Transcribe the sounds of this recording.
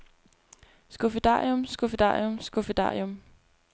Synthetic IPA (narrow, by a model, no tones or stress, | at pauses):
sɡ̥o̝fed̥ɑ̰ːjɔmsɡ̥o̝fed̥ɑ̰̈ːjomsɡ̥ofed̥ɑ̰̈ːjom